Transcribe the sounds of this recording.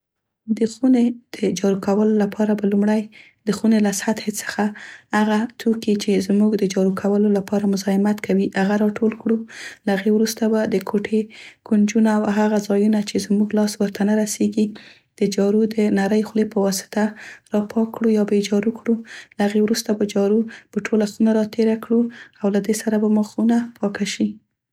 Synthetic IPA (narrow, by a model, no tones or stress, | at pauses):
d̪əxuned̪̥əd͡ʒɑɾukawəlolapʰɑɾabalumɽaj | d̪̥əxunelasat̪het͡sə̥xahaɣat̪ʰokit͡ʃezmuɡd̪əd͡ʒɑɾukʰawəlolapɑɾamʊzɑɪmat̪kʰawiʔaɣaɾɑʈolkɽulaaɣewɾust̪abad̪əkʰoʈʰekund͡ʒunaːwɦaɣazɑjunat͡ʃezmuɡlɑswəɾt̪ʰanaɾaseɡi | d̪̥əd͡ʒɑɾud̪ənaɾəjxlepəwɑsɪ̥t̪aɾɑpʰɑkɽujɑbed͡ʒɑɾukɽulaaɣewɾust̪apad͡ʒɑɾupəʈʰolasunaɾɑt̪ʰeɾakɽuawlad̪esaɾabaməxunapʰɑkaʃi